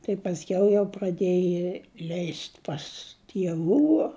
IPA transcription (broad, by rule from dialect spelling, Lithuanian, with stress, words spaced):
tɐɪ pɐsʲˈkʲɛʊ jɛʊ prɐˈdʲeːjɪ lʲɛɪsʲtʲ pɐs tʲiɛˈʋuː